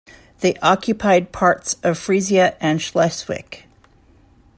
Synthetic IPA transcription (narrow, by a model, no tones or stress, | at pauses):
ðeɪʔɑkʰjɨpʰaɪd̚pʰɑɹtsʌv̥fɹiziɨʔɨ̃nʃlɛswɪ̰k